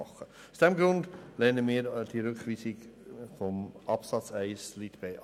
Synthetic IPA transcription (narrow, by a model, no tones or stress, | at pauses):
ɑχə | ʊsd̥ɛmɡɾʊndlɛnəmiːɾd̥iɾʉkʋiːsɪɡfɔmʔɑpsɑt͡sæɪslit̪b̥ɛɪ